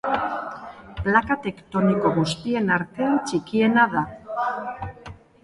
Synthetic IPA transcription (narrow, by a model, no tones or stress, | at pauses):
plakat̪e̞kt̪o̞niko̞ɣust̪ie̞naɾt̪e̞at͡ʃikie̞naða